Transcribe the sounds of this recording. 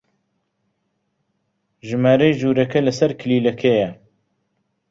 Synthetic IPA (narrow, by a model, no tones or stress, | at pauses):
ʒɨmaːɾejʒuːɾɐkɐlɐsɐɾkʰɪliːlɐkʰejɐ